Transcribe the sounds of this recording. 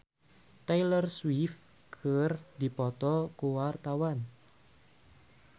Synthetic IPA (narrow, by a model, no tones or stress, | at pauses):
t̪ajlərswif | kʰərd̪i̤pɔt̪ɔkuwart̪awan